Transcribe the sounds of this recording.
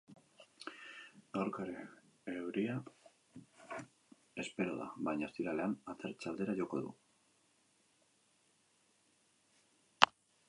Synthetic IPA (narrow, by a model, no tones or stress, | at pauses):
ɡawɾkaeɾe | ewɾia | e̞spe̞ɾo̞ða̰βajɲast̪iɾale̞anat͡s̪eɾt͡ʃald̪e̞ɾaʝokoðṵ